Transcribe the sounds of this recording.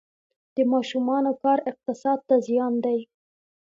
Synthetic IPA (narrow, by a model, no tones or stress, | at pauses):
d̪̥əmɑʃumɑnokɑɾɪq̚t̪ɪsɑd̪̚t̪azijɑnd̪aj